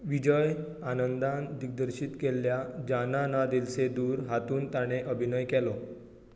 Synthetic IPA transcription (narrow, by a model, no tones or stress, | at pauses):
ʋid͡ʑəj | anənd̪ãnd̪iɡ̚d̪əɾɕiːt̪kelːjad͡ʑananad̪ilsed̪uːɾɦat̪uːnt̪aɽ̃eʔəbʱinəjkɛlɔ